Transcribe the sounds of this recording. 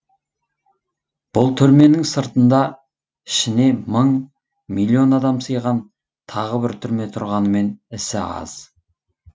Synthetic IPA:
b̥ʊlˠt̪ʰʏɾme̞nɪŋsəɾt̪ənd̪ɑ | ɪʃɪne̞məɴ | mijlːˠio̞nɑd̪ɑmsəjʁɑn | t̪ʰɑʁəbɪɾt̪ʰʏɾme̞t̪ʰʊɾʁɑnəme̞nɪsɪ̰ɑ̰z̥

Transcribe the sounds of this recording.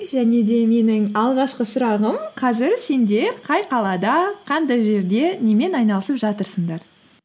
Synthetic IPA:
ʒæne̞d̪e̞me̞nɪŋɑlˠʁɑʃqəsʊɾɑʁəmqʰɑzɪɾse̞nd̪e̞ɾqʰɑjqʰɑlˠɑd̪ɑqʰɑnd̪ɑjʒe̞ɾd̪e̞ne̞me̞nɑjnɑlˠəsəpʒɑt̪əɾsəɴd̪ɑɾ

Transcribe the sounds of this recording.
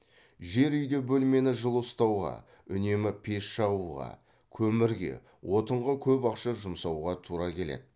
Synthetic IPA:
ʒe̞ɾʏjd̪e̞bɵlme̞nɪʒəlˠəst̪ɑwʁɑ̰ | ʏne̞mɪpʰe̞ʃʃɑʁuʁɑ̰ | kʲʰɵmɪɾɡʲe̞̰ | wʔo̞t̪əɴʁəkʲʰɵpɑqʃɑʒʊmsɑwʁɑt̪ʰuɾɑkʲʰe̞le̞̰d̪ɪ

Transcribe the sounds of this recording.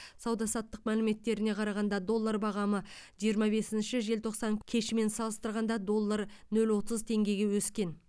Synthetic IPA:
sɑwd̪ɑsɑt̪ːəq̚mælɪme̞t̪ːe̞ɾɪne̞qʰɑɾɑʁɑnd̪ɑd̪o̞lˠːaɾbɑʁɑməʒijəɾmɑbe̞sɪnʃɪʒe̞lt̪ʰo̞qsɑŋkʲʰe̞ʃɪme̞nsɑlˠəst̪əɾʁɑnd̪ɑd̪o̞lˠːaɾnɵlwo̞t̪əzt̪ʰe̞ŋɡʲe̞jɡʲe̞wɵskʲe̞n

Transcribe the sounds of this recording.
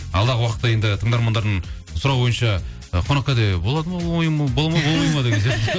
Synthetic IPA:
ɑlˠd̪ɑʁəwɑqət̪ːɑjed̪ɪt̪ʰəɴd̪ɑɾmɑnd̪ɑɾd̪əɴ | sʊɾɑwbo̞jənʃɑ | əqʰonɑqːɑd̪ebo̞lˠɑd̪əmɑjbolˠɑmbomɑjmɑd̪əkʲʰeze

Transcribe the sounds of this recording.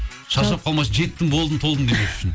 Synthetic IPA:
ʃɑsɑp̚qʰɑlˠmɑsʒe̞t̪ːɪŋbo̞lˠd̪ənt̪ʰo̞lˠənd̪emeʏ̥ʃɪn

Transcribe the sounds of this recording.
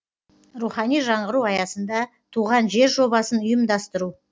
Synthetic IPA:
ɾuχɑnijʒɑɴʁəɾuɑjɑsənd̪ɑ | t̪ʰuʁɑnʒe̞ɾʒo̞bɑsənʊjəmd̪ɑst̪əɾu

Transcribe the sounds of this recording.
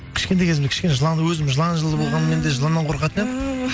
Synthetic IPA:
kʲʰɪ̥ʃkʲet̪ejkʰʲezɪmzkʲʰɪ̥ʃkʲeneʒəlˠɑnd̪əwɵzɪmʒəlˠɑnʒəlˠd̪əbo̞lˠʁɑnəmend̪eʒəlˠɑnːɑɴqʰoɾqɑt̪əned̪

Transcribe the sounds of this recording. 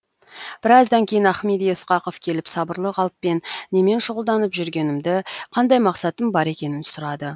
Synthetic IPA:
b̥ɪɾɑzd̪ɑŋkʲʰe̞jɪnæχmed̪ijəsqɑqovkʲʰe̞lɪpsɑbəɾlˠəqɑlˠp̪̚pːe̞nːe̞me̞nʃʊʁʊlˠd̪ɑnəpʒʏɾɡʲe̞nɪmd̪ɪqʰɑnd̪ɑjmɑqsɑt̪əmbɑɾe̞kʲe̞nɪnsʊɾɑd̪ə

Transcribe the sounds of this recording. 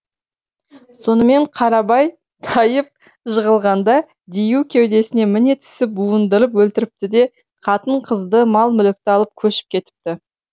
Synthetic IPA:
so̞nəme̞ɴqʰɑɾɑbɑj | t̪ʰɑjəp̚ | ʒəʁəlˠʁɑnd̪ɑ | d̪ijukʲʰewd̪e̞sɪne̞mɪne̞t̪ʰɪ̥sɪp̚buənd̪əɾəp̬wɵlt̪ɪɾɪp̚t̪ɪd̪e̞ | qʰɑt̪əɴqʰəzd̪əmɑlˠmʏlɪk̚t̪ɪɑlˠəp̚kʲʰɵʃɪ̥p̚kʲʰe̞t̪ɪ̥p̚t̪ɪ

